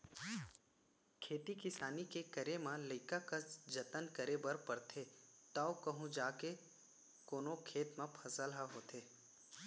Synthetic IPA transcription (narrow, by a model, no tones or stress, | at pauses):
kʰeːt̪ikɪsaːnikekəɾemãləɪkakad͡ʒɐt̪ənkəɾebɐɾpɐɾt̪ʰeːt̪aokɐɦũd͡ʒaːke | koːnokʰeːt̪mãpʰɐsəlɦaɦoːt̪ʰeː